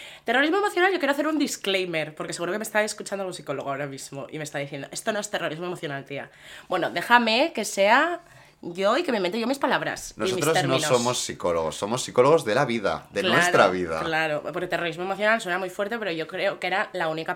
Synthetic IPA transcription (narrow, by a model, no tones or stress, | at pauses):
t̪e̞roɾizmoe̞moθjo̞nalʝokjeɾaθeɾund̪isklejme̞ɾpo̞ɾkese̞ɣuɾo̞ke̞mest̪aeskut͡ʃand̪alɣosiko̞lo̞ɣoaoɾamizmoʔḭmest̪aðiθje̞nd̪o̞e̞st̪onoe̞st̪e̞ro̞ɾizmoe̞moθjo̞nalt̪ia̰ | bwe̞noðe̞xame̞ke̞se̞a | ʝo̞ike̞me̞ment̪oʝo̞mispalaβ̞ɾa̰snosomit̪sɾoeɾmnĩnsnoomosːikoloɣosːomosːikoloɣ̞o̞zðe̞laβiða̰ðeklnweasɾt̪ɾaβiða̰klaɾopoɾket̪e̞ro̞ɾizmoe̞moθjo̞nalswe̞namujfweɾt̪e̞pe̞ɾoʝo̞kɾe̞okeɾalaunika